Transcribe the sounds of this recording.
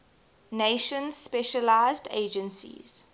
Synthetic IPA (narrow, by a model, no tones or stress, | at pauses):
neʃə̃nz̥spɛʃəlaɪzdḛːd͡ʒə̃nsḭz̥